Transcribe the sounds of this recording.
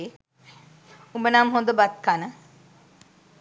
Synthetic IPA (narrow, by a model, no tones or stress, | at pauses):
e | umbənaːmɦõnd̪əbɐt̪̚kanə